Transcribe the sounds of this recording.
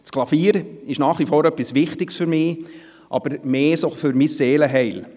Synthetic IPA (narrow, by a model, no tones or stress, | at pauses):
t͡sklɑfiːɾɪʃnɑːχʋifɔːɾœpːisʋɪχtɪksføɾmɪː | ʔɑ̰b̥əɾmeːsofʏɾmisːeːləɦɛɪl